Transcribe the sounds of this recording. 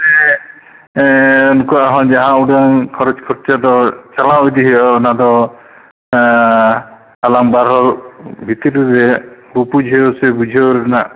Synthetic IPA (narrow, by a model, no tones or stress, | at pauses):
e | ɔnkuaɦɔ̃d͡ʒaɦãuɽaŋkʰɔɾɔt͡ʃkʰɔɾt͡ʃad̪ɔt͡ʃalaojd̪iɦeɔnad̪ɔ | alaŋbaɾɦɔɾbʱit̪iɾiɾebupud͡ʒɦeosebud͡ʒʱɔɾena